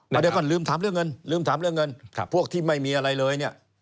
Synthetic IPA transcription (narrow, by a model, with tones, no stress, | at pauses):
de˦˥wkɔː˧˥˩nlɯː˧mt̪ʰaː˩˦mɾɯ˥˩əŋɤ˧nlɯː˧mt̪ʰaː˨˩˦mɾɯ˥˩əŋɤ˧nkʰa̰˧˩pʰːu˥˩k̚t̪ʰiː˥˩ma˥˩jmiː˧ʔa˧ɾa˧jlɤː˧jni˥˩ɐ